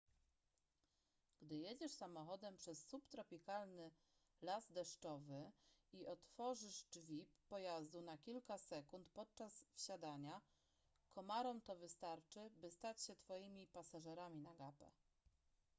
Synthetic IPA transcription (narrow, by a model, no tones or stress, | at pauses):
ɡ̥d̪ɘjed͡ʑɛʂsamɔxɔd̪ɛmpʂɛsːupt̪ɾɔpʲikalnɘ | lazd̪ɛʂt͡ʂɔvɘiʔɔt̪fɔʐɘʂd͡ʐvʲipːɔjazd̪unakʲilkasɛkunt̪pɔt̪̚t͡ʂasfɕad̪aɲa | kʰɔmaɾɔmt̪ɔvɘst̪aɾt͡ʂɘbɘst̪at͡ɕɕɛt̪fɔjimʲipasaʐɛɾamʲinaɡapɛ̰